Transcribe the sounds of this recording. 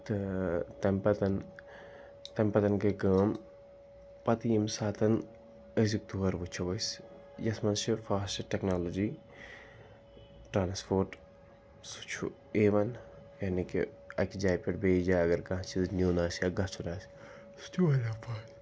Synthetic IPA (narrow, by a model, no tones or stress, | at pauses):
t̪ɨt̪ɐmpɐt̪ɐn | t̪ɐmpɐt̪ɐnkeɡaːm | pɐt̪iimsaːt̪ɐn | əs̬uk̚t̪uʋɐɾʋut͡ʃʰɐʋɐs | jɐsmɐnʃifaːsʈʈeknaːloːd͡ʒiː | ʈɾaːnspoːɾʈ | su̥t͡ʃʰṵ | eːʋɐnjɐnikḭ | ɐkid͡ʒaːjpeʈbeːd͡ʒaːɐɡɐɾkɐ̃t͡ʃʰiznʲjuːnaːsɐɡɐt͡ʃʰunaːs | su̥t̪ʰuɐlafʰaː